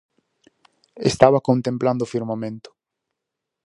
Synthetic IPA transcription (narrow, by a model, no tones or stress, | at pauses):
est̪aβɐkõnt̪ẽmpland̪ʊfiɾmamẽnt̪ʊ̥